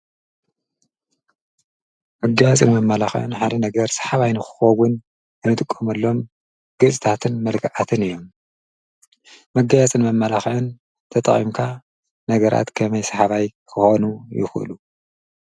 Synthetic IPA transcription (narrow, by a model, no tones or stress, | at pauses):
mɐɡajat͡sʼɨnmɐmːɐlaxʕɨ̰nħad̪ɐnɐɡɐɾsḁħaβajnɨxɨ̥xɐwʊn | ɨnɨt̪ʼɨkʼːomɐlːo̞m | ɡ̥ɨsʼɨt̪ʰat̪ʰɨnmɐlkʰʕat̪ʰɨnɨjːo̞m | mɐɡajat͡sʼɨnmɐmːɐlaxʕɨn | t̪ʰɐt̪ʼɐ̰χʼḭmkʰa | nɐɡɐɾʔa̰t̪kʰɐmɐjsɐħaβajkʰɨxonujɪ̰xɨ̰lu